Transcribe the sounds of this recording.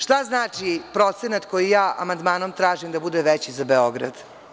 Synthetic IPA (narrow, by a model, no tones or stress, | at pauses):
ʂt̪aznaːt͡ʂipɾo̞t̪senat̪ko̞jijaːʔa̰mand̪maːnomt̪ɾaːʒimd̪abud̪eʋet͡ɕizabeoɡɾa̰d̪